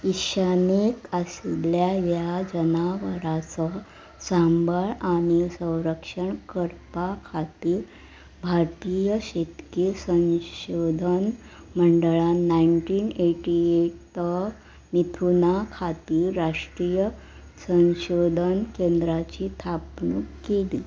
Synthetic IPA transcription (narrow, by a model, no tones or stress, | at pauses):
iɕanikasilljajjad͡ʑənaʋəɾat͡sɔ | sambʱəɭaɽ̃isə̃w̃ɾəkʂəɳkəɾpakʰat̪iː | bʱaɾt̪ijəɕet̪kisə̃nɕod̪ʱən | məɳɖɭanaiɳʈiːneʈieʈ | ə | mit̪ʰunakʰat̪iɾaʂʈɾijə | sə̃ɕod̪ʱənkend̪ɾat͡ɕiːt̪ʰapnukkeli